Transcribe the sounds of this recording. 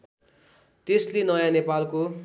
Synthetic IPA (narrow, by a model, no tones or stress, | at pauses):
t̪eslenʌjãnepalko